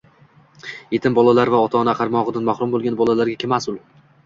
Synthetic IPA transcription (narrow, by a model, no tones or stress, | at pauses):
je̞t̪ʰɪmbɒlˠalaɾvaɒt̪ʰaːnaqʰɑɾmɒʁɨd̪anmahɾʊmbolˠɡʲanbɒlalaɾɡʲakʰʲemasʊlˠ